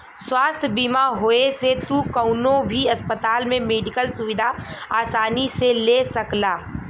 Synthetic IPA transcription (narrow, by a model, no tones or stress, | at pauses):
swaːst̪ʰbiːmaɦoːeset̪ukəʊnõbʱiɐspət̪aːlmẽmeːɖɪkəlsʊʋɪd̪ʱaaːsaːniselesɐklaː